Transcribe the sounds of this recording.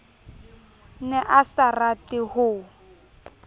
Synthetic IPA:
nɛʔasaratɪhʊ

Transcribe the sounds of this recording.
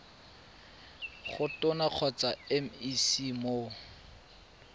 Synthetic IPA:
χʊtʊnaq͡χʰɔt͡saɛm̩isimo

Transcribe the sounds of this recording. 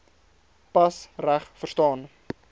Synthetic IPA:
pɐsræχfərstɑːn

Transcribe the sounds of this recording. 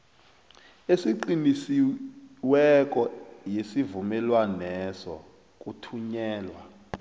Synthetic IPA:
esiǃinisiwɛk̬ʼɔjesivumɛlwanɛsɔ̰ | k̬ʼutʰuɲɛːlwa

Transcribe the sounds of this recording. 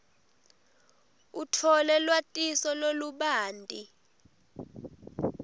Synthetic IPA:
utʰɔlɛlwatʼisɔloluɓaːndʼi

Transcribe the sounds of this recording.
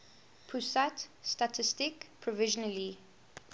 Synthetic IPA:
pʰusatstatʰɪstɪkpʰɹɔvɪʒɔnəli

